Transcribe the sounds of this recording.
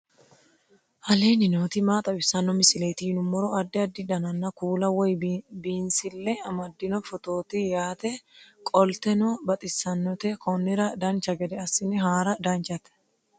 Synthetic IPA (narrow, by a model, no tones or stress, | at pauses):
ʔɐle̞ːnɪnoːt̪ɪmaːt̪ʼɐbɪsɐnːɔmɪsɪleːt̪ɪnʊmːɔɾɔɐd̪ːɪɐd̪ːɪd̪ɐnɐnːɐkuːlɐwɔjbiːnsɪlːɛɐmɐd̪ːɪnɔfɔt̪o̞ːt̪ɪjaːt̪ɛkʼɔlt̪ɛnɔbɐt̪ʼɪsːɐnːɔt̪ɛkɔnːɪɾɐd̪ɐnt͡ʃɐɡɛd̪ɛɐsːɪnɪɦaːɾɐd̪ɐnt͡ʃɐt̪ɛ̥